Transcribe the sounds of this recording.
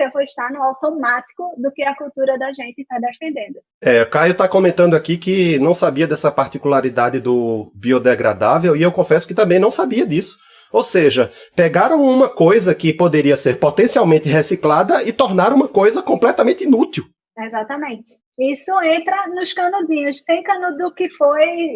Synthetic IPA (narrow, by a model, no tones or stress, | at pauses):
sewvoɪʃt̪aɾnʊawt̪omat̪i̥kʊd̪ʊkɪɐkuwt̪uɾɐd̪ɐʒẽnt̪ɪt̪ad̪efẽnd̪ẽnd̪ʊ | ɛkajʊt̪aɐkõmẽnt̪ɐ̃nd̪ʊakikɪnɐ̃w̃sabiɐd̪ɛsɐpaɾt̪ikulaɾid̪ad̪ɪd̪ʊbiod̪ɛɡɾa̰d̪avewiewkõfɛsʊ̥kɪt̪ɐ̃mbẽj̃nɐ̃w̃sabiɐd̪isʊ̥ | owseʒɐpɛɡaɾɐ̃w̃ũmɐkojzɐkɪpod̪eɾiɐseɾpot̪ẽsiawmẽnt̪ɪɦesiklad̪ɐɪt̪ɔɾnaɾũmɐkojzɐkõmplɛt̪ɐmẽnt̪ɪinut̪iw | ezat̪ɐmẽt̪ɪ̥ | isʊẽnt̪ɾɐnʊskɐ̃nozĩɲʊst̪ẽj̃kɐ̃nod̪ʊkɪfoj